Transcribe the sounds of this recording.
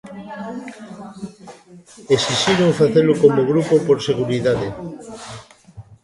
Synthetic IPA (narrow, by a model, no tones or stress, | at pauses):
esiʃiɾoŋfaθelʊkomoɣ̞ɾupopoɾseɣuɾiðaðe